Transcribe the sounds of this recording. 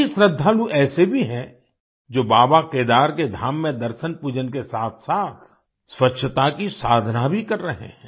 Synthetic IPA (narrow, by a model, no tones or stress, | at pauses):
ɪsɾəd̪ʱːaːluʔɛːsebʱiɦɛ̃ | d͡ʒoːbaːbakeːd̪aːɾked̪ʱaːmːẽd̪ɐɾʃənpuːd͡ʒənkesaːt̪ʰsaːt̪ʰ | swɐtːʃʰət̪akisaːd̪ʱnabʱikɐɾːɐɦḛɦɛ̃ː